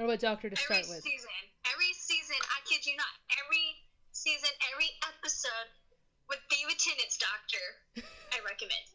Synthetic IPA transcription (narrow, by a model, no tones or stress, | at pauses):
owʌt̚d̥ɔk̚tə˞dɨsvɹaɪt̚wɪzsizɨ̃nɛvɹisizɨ̃na̰ɪkʰɪd͡ʒɨnətɛvɹi | sizɨ̃nɛvɹiʔɛpɨsoʊd̚ | wɨd̚biwɨtʰɪ̃nɨ̃tsd̥ɔk̚tʰə˞ | aɪɹɛkɨmɛ̰̃nd̥